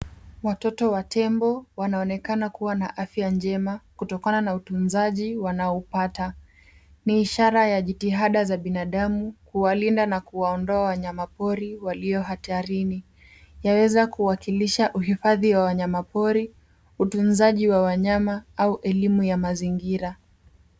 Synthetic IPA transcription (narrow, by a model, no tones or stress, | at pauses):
watɔtɔwatʰɛmbɔwanaɔnɛkanakuwanaʔafjand͡ʒɛmakutɔkananautunzaʄiwanaupata | niːʃaɾajaʄitiɦaɗazaɓinaɗamukuwalindanakuwaɔndɔawaɲamapɔɾiwaliɔɦataɾini | jawɛzakuwakiliʃaʔuɦifaðiwawaɲamapɔɾi | utunzaʄiwawaɲamaauʔɛlimujamaziŋɡiɾa